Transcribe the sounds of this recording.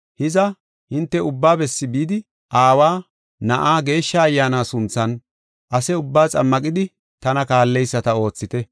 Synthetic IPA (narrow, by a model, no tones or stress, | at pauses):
hɪzɐ | hɪnt̪ːɛʊbːaːbɛsːɪbiːd̪ɪ | ʔaːwaː | nɐʔaːɡe̞ːʃːɐːjːaːnaːsʊnt͡sːɐn | ʔɐsɛʊbːaːt͡sʼɐmːɐkʼɪd̪ɪ | t̪ɐnɐkaːlːɛjsːɐt̪ɐo̞ːt͡sːɪt̪ɛ